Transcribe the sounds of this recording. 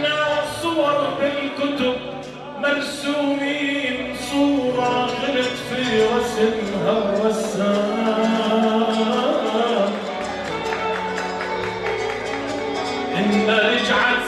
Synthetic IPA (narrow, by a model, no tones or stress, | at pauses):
nasˤʊwɑɾˤfɪlkʊt̪ʊb̚ | maɾsuːmiːn | sˤuːɾˤɑɣɪɾɪt̪fiːɾɑsɪnhaˤwasːama | ʔɪnːaʔɪd͡ʒʕa